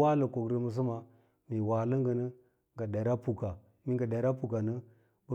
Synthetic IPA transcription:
a˦lə˨ko˨ɡɾi˨mə˦s̬ə˦ma˨ | mi˨wa˨lə˦ŋɡə˨nə˦ | ŋɡa˨da˨ɾa˦pu˨ka˨ | mi˦ɡa˨da˨ɾa˦pu˨ka˨nə˦ | bə˦

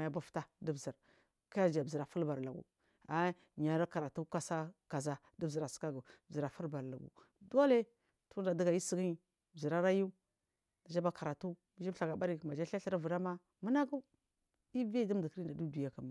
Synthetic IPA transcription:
a˨ja˦ba˦fta˦di˦bzi˨ɾ | ka˦ja˦˨d͡ʒa˨bi˨ɾa˨fu˦lba˨ɾla˨ɡṵ˨ | a˨˦ | ɲa˨ɾa˦ka˨ɾa˨tu˦ka˦sa˦ka˨za˦ | di˦bi˨ɾa˨sə̥˨˦ka˦ɡu˨bzi˨ɾa˨fu˦lba˨ɾla̰˨ɡṵ˨ | do˦le˦ | tu˦da˨də˦ɡa˨i˦si˦ɡi˦i˨ | bzi˨ɾa˦ɾa˦ju˦ | da˨d͡ʒa˦ba˨ka˨ɾa˨tu˦ | mi˦d͡ʒi˦bɬa˨ɡa˨ba˦ɾi˦˨ma˨d͡ʒa˦ɬa˦ɬi˦ɾa˦vu˨ɾa˦ma˦ | mə˦na˦ɡu˦ | i˦vdi˦m˦di˨kɾi˦nda˨du˦du˨ja˨ka˨ma˨

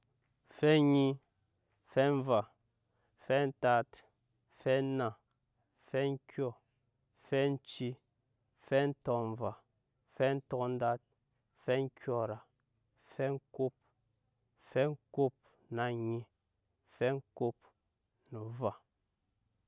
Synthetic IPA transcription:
fɛ˦ɲi˦ | fɛ˦ɱ̩˦va˨ | fɛ˦n̩˦ta˦t | fɛ˦na˨ | fɛ˦ŋ̩˦kɥɔ˦ | fɛ˦n̩˦t͡ʃi˦ | fɛ˦n̩˦tɔ˦ɱ̩˦va˨ | fɛ˦n̩˦tɔ˦kn̩˦da˦t̚ | fɛ˦ŋ̩˦kjɔ˦˨ɾa˨ | fɛ˦ŋ̩˦ko˦p̚ | fɛ˦ŋ̩˦ko˦˨p̚ | na˦˨ɲi˨ | fɛ˦ŋ̩˦ko˦p̚ | nu˨va˦˨

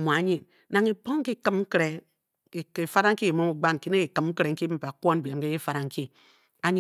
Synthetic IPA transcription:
mʷ˨a˨˦ɲi˨n | na˨ŋi˨po˦ŋ̩˦i˦kɨ˦mŋ̩˦kɾe˨ | e˨fa˦ɾa˦ŋ̩˦ki˦e˨mo˦mu˨ɡ͡ba˦n˨ki˦ne˦i˨kɨ˨m̩˦kɾe˨ŋ̩˦ki˦bm̩˦pa˨kʷo˦n˨bje˨m˦ke˦ji˦fa˨ɾa˨ŋ̩˦ki˦ | a˦ɲ˦

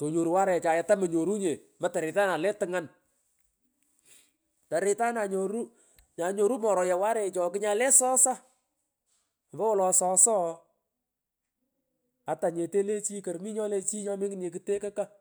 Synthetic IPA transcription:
to˨ɲo˨ɾu˨wa˦ɾɛ˨t͡ʃa˨ja˨ta˦mə˨ɲo˨ɾu˦ɲe˨ | ma˨ta˨ɾɪ˨ta˦na˨lɛ˦tɨ˦ŋa˦n | ta˨ɾɪ˨ta˦na˨ɲo˨ɾu˦ | ɲa˨ɲo˨ɾu˦mɔ˨ɾɔ˨ja˨wa˦ɾɛ˨t͡ʃɔ˨kɪ˦ɲa˨lɛ˦sɔ˦sa˦˨ | mbɔ˦wɔ˦lɔ˨sɔ˦sɔ˦ | a˨ta˨ɲe˨te˦le˦t͡ʃi˦kɐ˨ɾmi˦ɲɔ˦le˦t͡ʃi˦ɲɔ˦mɪ˦ŋ˦ne˨kɨ˦te˦ka˦ka˦

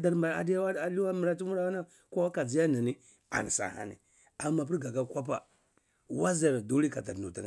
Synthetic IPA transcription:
da˨ɾm˨a̰˨da˦wa˦a˨li˦wa˦mi˨ɾa˦ti˦mu˦ɾa˦wa˦na˦ | ko˦wa˦ka˨d͡ʒi˨˦ja˦na˨ni˦ | a̰˨n˨sa̰˨ha̰˨nḭ˨ | a˨˦ma˨p̬i˦ɾɡa˨ka˦kʷa˦p̬a̰˨ | wa˦za˨ɾdo˦li˦ka˨ta̰˨ɾnu˨ti˨n˨

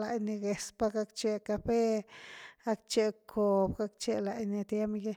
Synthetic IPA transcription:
la˧jni˧ɡe˨spa˦ɡa˦kt͡ʃe˧ka˧fe˦ | ɡa˦kt͡ʃe˧kʰo˨bɡa˦kt͡ʃe˧la˨jni˧t̪je˦mɡe˦

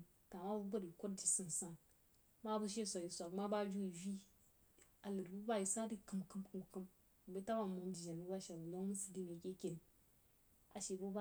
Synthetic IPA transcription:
ta˨ma˦bu˦bə˦ɾi˨ko˦td͡ʒi˨sə˦˨n˨sa˦ | ma˦bu˦ʃ̬e˦sʷa˨ji˨sʷa˨kma˦ba˦d͡ʒu˦i˨vi˦ | a˨lɨ˨ɾbu˦ba˦ji˨sa˦di˦kɨ˨mkɨ˦mkɨ˨mkɨ˦m˨ | be˦ta˦ba˨mu˨m˦d͡ʒi˨ʒa˨bu˦ba˦ʃa˨bu˨lo˦mu˦sɨ˨di˦me˨ke˦kʲe˨ni˨ | a˨ʃe˨bu˦ba˦

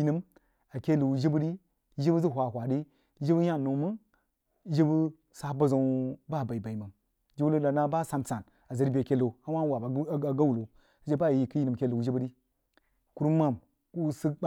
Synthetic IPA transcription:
i˦nɨ˦m | a˨kʲe˦lu˨wu˨ʒi˦bu˦ɾi˦ | ʒi˦bu˦zi˦˨ɦʷa˨hʷa˨ɗi˦ | ʒi˦bə˦ja˦˨no˨˦mɨ˦n˦ | ʒi˦bu˦ | sa˨bə˨zo˨ba˦˨ba˨i˨ba˨i˨mə˨n | d͡ʒi˦wu˦lo˦la˨na˦ba˦˨sa˨mt͡sa˨n | a˨za˨ɾi˦be˨ke˦lo˨a˦ma˦wa˨ba˨˦˨ɡa˦wu˨lo˨ | sa˦d͡ʒe˦ba˦˨ji˨kɨ˦ji˦nɨ˨m˨kʲe˦˨lo˨wu˨d͡ʒi˦bə˦ɾi˦ | ku˦ɾma˦˨m | ku˦sɨ˦k̚

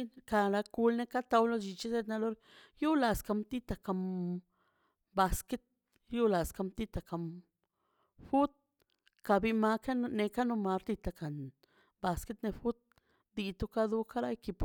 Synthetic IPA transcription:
ka˧˨ɾa˧ku˧lne˧ka˦t̪a˧wlo˧d͡ʒi˧t͡ʃi˦se˦˧t̪na˧lo˧ɾ | ju˦la˨ska˧mt̪i˦t̪a˨ka˧m | ba˧ske˦t̪̚ | ju˦la˨ska˧mt̪i˧t̪a˨ka˨m | fu˦t̪̚ | ka˧bi˧ma˧ka˦ne˧ka˦no˧ma˧ɾt̪i˧t̪a˨ka˨n | ba˧ske˦t̪ne˧fu˦t̪̚ | d̪i˧t̪u˦ka˦d̪u˧ka˦ɾa˦ki˧p

